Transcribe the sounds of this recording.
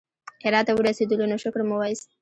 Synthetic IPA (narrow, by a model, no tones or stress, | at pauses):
eɾɑt̪awəɾased̪əlonoʃʊkɾmʊwɑjs